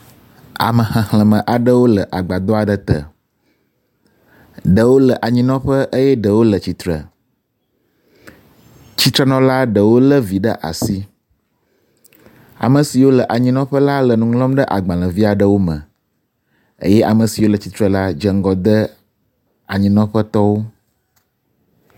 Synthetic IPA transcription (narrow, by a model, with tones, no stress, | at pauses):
a̰˨mə̃˨xə̃˨hlə̃˨mə̃˨ʔa˨ɖə˦wo˦lə˨ʔa˨ɡ͡ba˨d̪ɔ˦a˨ɖə˨t̪ə̰˨ | ɖə˨wo˦lə˨ʔa˨ɲĩ˨nɔ̃˦ɸə˦ʔə˦jɛ˦ɖə˨wo˦lə˨t͡ɕi˨t̪ɾə̰˨ | t͡ɕi˦t̪ɾə˦nɔ̃˦la˦ɖə˨wo˦lə˦vi˨ɖə˦ʔa̰˨si˦ | a̰˨mə̃˨si˨wo˦lə˨ʔa˨ɲĩ˦nɔ̃˦ɸə˦la˦lə˨nũ˨ŋlɔ̃˦mɖə˦ʔa˨ɡ͡bã˨lə̃˨vi˦a˨ɖə˨wo˦mə̰̃˨ | ə̰˦jɛ˦ʔa˨mə̃˨si˨wo˦lə˨t͡ɕi˨t̪ɾə˨la˦d͡ʒə˦ŋ˦ɡɔ˦d̪ə˦ | a˨ɲĩ˦nɔ̃˦ɸə˦t̪ɔ˦wo˦